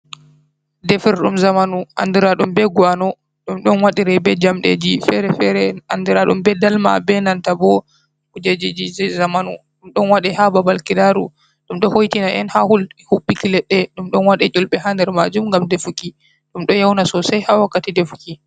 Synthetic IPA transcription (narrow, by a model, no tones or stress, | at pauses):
defiɾɗumzamanuʔa̰ndiɾaɗumbɛɡwanɔ | ɗumɗɔnwaɗiɾɛbɛd͡ʒamɗḛd͡ʒifɛɾɛfɛɾɛandiɾaɗṵmbɛdalma̰bɛnantabɔ | kud͡ʒed͡ʒid͡ʒizamanṵɗumɗɔnwaɗɛhababalkidaɾṵ | ɗumɗɔhojtinaʔɛ̰nhahulhuɓːikilɛɗːɛɗumɗɔnwaɗɛt͡ʃulɓɛhandɛɾma̰d͡ʒumŋɡamdefuki | ɗumɗɔjawnasɔsajhawakːatidefu̥ki